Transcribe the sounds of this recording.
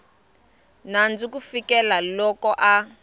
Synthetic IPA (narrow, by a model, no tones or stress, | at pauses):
nand͡zukufikɛlalɔkɔʔa